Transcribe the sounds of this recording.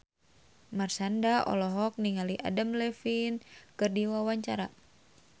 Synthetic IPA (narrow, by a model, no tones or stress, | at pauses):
marsandaɔ̰lɔɦɔk̚niŋaliʔa̰damlɛfinkɨrdiwawaɲt͡ʃaɾa